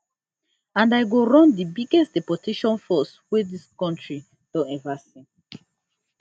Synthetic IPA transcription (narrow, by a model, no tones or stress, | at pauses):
ãndajɡoɹɔ̃ndibiɡɛstd̥ɛpɔtʰeʃɔ̃nfɔswɛdiskɔ̃ntɹi | d̥ɔ̃nɛvasĩn